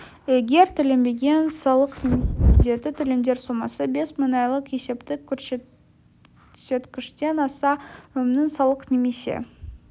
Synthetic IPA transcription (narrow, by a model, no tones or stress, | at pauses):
e̞ɡʲe̞ɾt̪ʰʏlɪmbe̞ɡʲe̞nsɑlˠəqd̪e̞d̪ɪt̪ʰʏlɪmd̪e̞ɾsomɑsəbe̞smənɑjlˠəqje̞se̞pt̪ɪkʲʰɵɾs | se̞t̪kʲɪʃt̪e̞nɑsɑɵmnɪŋsɑlˠəqne̞me̞sḛ